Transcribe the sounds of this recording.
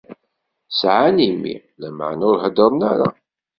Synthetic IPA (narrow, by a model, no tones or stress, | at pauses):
sʕanimːḭ | læm̰ʕnʊɾɦəd̪əɾˤnaɾa̰